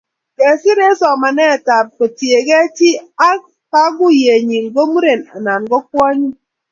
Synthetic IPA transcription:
ke˨si˦ɾe˦sɔ˨ma˨ne˦˨ta˨p̚ke˨ti˨e˨ɡe˦ti˦a˦ | ka˦ɡu˦je˨ɲi˨lɡo˦mu˦ɾe˨na̰˨na˨nɡɔ˦kɔ˦a˦ɲi˦

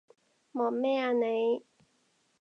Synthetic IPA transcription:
mɔː˨˩mɛː˥aː˧ne˨˧j

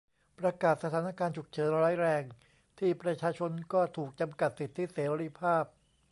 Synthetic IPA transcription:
pɾa˧kaː˨˩t̪̚sa˧t̪ʰaː˩˦na˧kaː˧nt͡ɕʰu˨˩k̚t͡ɕʰɤː˩˦nɾaː˦˥jɾɛː˧ŋ | t̪ʰiː˥˩pɾa˧t͡ɕʰaː˧t͡ɕʰo˧nkɔː˥˩t̪ʰuː˨˩k̚t͡ɕa˧mka˨˩t̪̚si˨˩t̪ʰːiː˥˩seː˩˦ɾi˧˥pʰaː˥˩p̚

